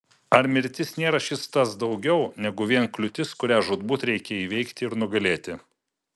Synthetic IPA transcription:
ɐɾmʲɪɾʲt̪ʲɪsnʲeːɾɐʃʲɪst̪ɐsd̪ɒʊɡʲɛʊnʲɛɡʊʋʲiɛnklʲʊt̪ʲɪskʊɾʲæːʒʊd̪buːt̪ɾʲɛɪkʲɛiːʋʲɛɪkt̪ʲɪɪɾnʊɡɐlʲeːt̪ʲɪ

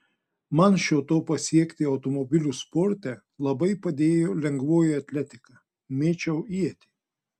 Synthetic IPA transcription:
mɐnʃʲoːt̪oːpɐsʲiɛkʲt̪ʲɪɐʊt̪ɔmɔbʲɪlʲuspɔɾʲt̪ʲɛ | lˠɐbɐɪpɐd̪ʲeːjoːlʲɛŋɡʋoːjɛɐt̪ʲlʲɛt̪ʲɪkɑː | mʲeːt͡ʃʲɛʊiɛt̪ʲɪ

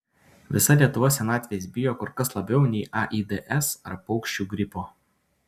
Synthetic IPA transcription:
ʋʲɪsɐlʲiɛt̪ʊʋoːsʲɛnɑːt̪ʲʋʲesʲbʲɪjoːkʊɾkɐslˠɐbʲɛʊnʲɛɪʔɑʔiːd̪ɛʔɛsɐɾpɒʊkʃʲt͡ʃʲuɡɾʲɪpoː

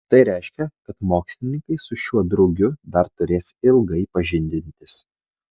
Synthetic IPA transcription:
t̪ɐɪɾʲɛɪʃʲkʲɛkɐt̪moːksʲlʲɪnʲɪŋkɐɪsʊʃʲuɔd̪ɾʊɡʲʊd̪ɐɾt̪ʊɾʲeːsɪlˠɡɐɪpɐʒʲɪnʲd̪ʲɪnʲt̪ʲɪs

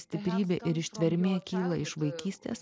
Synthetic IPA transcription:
sʲt̪ʲɪpʲɾʲiːbʲeːʔɪɾɪʃʲt̪ʲʋʲɛɾʲmʲeːkʲiːlˠɐɪʃʋɐɪkʲiːsʲt̪ʲḛːs

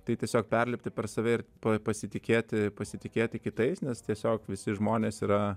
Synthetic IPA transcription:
t̪ɐɪt̪ʲiɛsʲoːk̚pʲɛrʲlʲɛpʲt̪ʲɪpʲɛɾsɐʋʲɛɪɾpɐpɐsʲɪt̪ʲɪkʲeːt̪ʲɪpɐsʲɪt̪ʲɪkʲeːt̪ʲɪkʲɪt̪ɐɪsnʲɛst̪ʲiɛsʲoːkʋʲɪsʲɪʒmoːnʲeːsiːɾɐ

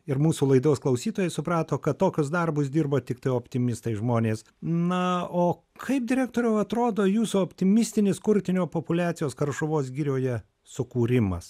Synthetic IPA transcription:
ɪɾmuːsulˠɐɪd̪oːsklˠɐʊsʲiːt̪oːjɛɪsʊprɑːt̪oːkɐt̪toːkʲʊsd̪ɐrbʊsd̪ʲiːrboːt̪ʲɪkt̪ɐɪoːpʲt̪ʲɪmʲɪst̪ɐɪʒmoːnʲeːs | nɐoː | kʰɐɪp̚d̪ʲɪɾʲæːk̚t̪oːɾʲɛʊɐt̪ɾoːd̪oːjuːsuɔpʲt̪ʲɪmʲɪsʲt̪ʲɪnʲɪskʊɾʲt̪ʲɪnʲoːpopʊlʲæːt̪sʲɪjoːskɐrʃʊʋoːs̬ɡʲiːɾʲoːjɛ | sʊkuːɾʲɪmɐ̰s

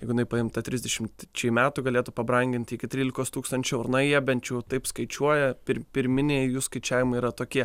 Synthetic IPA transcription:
ɛɪɡʊjɪnɐɪpɐɪmt̪ɐt̪ʲɾʲɪzʲd̪ʲɛʃʲɪmt͡ʃʲɛmʲæːt̪uɡɐlʲeːt̪ʊpɐbɾɐŋʲɡʲɪnʲt̪ʲɪkʲɪt̪ʲɾʲiːlʲɪkoːst̪uːkst̪ɐnʲt͡ʃʲɛʊɾnɐjiɛbʲɛnt͡ʃɛʊt̪ɐɪpskɐɪt͡ʃʲuɔjɛpʲɪɾʲpʲɪɾʲmʲɪnʲeːjjuːskɐɪt͡ʃʲæːʋʲɪmɐɪiːɾɐt̪oːkʲiɛ

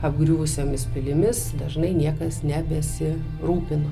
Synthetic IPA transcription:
ɐb̚ɡɾʲuːʋʊsʲoːmʲɪspʲɪlʲɪmʲɪsd̪ɐʒnɐɪnʲiɛkɐsnʲɛbʲɛsʲɪ | ɾuːpʲɪno

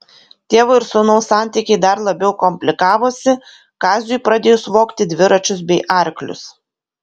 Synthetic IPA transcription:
t̪ʲeːʋɐɪɾsʊnɐʊsɑˑnʲt̪ʲiˑkʲɛɪd̪ɐɾlˠɐbʲɛʊkɔmʲpʲlʲɪkɑːʋoːsʲɪ | kɑːzʲʊjpɾɑːd̪ʲeːjʊsʋoːkt̪ʲɪd̪ʲʋʲɪɾɐt͡ʃʲʊsbʲɛɪʔɐˑɾʲklʲʊ̰s

